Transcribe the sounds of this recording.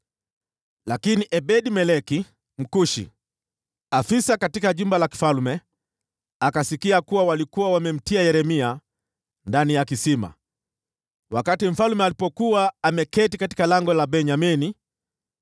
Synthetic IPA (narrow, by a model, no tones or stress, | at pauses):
lakiniʔɛbɛɗimɛlɛki | m̩kuʃḭ | afisakatikaʄumbalaki̥falmɛ | akasikiakuwawalikuwawamɛm̩tiajɛɾɛmia | ndanijakisima̰ | wakatim̩falmɛalipɔkuaːmɛkɛtikati̥kalaŋɡɔlabɛɲamini